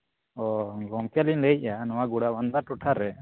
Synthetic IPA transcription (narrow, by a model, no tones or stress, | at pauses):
ɔɡɔŋkalinləjc̚ˀanɔwaɡuɽabanb̪aʈuʈʰaɾɛ